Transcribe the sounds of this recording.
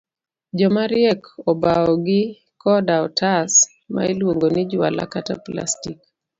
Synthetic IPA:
d͡ʒɔmaɾɪɛkɔbaɔɡɪ | kɔdaɔtʰas | ma̰ilwoŋɡonɪd͡ʒʊa̰la̰katapla̰stik

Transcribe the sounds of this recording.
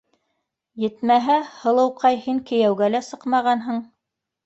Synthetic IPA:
jɘ̆t̪mæɦæhɤ̆lˠɤ̆wqɑjhiŋkɘ̆jæwɡælæsɤqmɑʁɑnɦɤɴ

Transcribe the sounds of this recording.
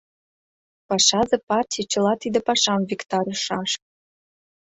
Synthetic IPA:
pɑʃɑzɤ̆pɑrtʲijt͡ɕə̆lɑt̪id̪ə̆pɑʃɑmvʲikt̪ɑɾʲəʃɑʃ̚

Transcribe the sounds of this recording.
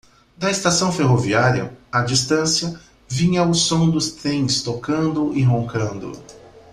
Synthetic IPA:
d̪ɐest̪asɐ̃w̃feɦoviaɾiɐ̰ad͡ʒist̪ɐ̃sjɐ | vĩɲɐwsõw̃d̪ʊst̪ɾẽj̃st̪okɐ̃nd̪ʊʔɪɦõŋkɐ̃nd̪ʊ̰

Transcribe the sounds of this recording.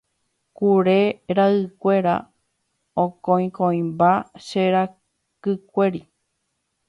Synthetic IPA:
kuɾeɾaɨkʷe̞ɾa̰ | õkõĩkõĩmbaʃeɾa | kɨkʷe̞ɾi

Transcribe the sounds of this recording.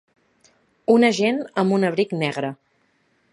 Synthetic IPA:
unəʒenəmbunəβɾiknɛɣɾə

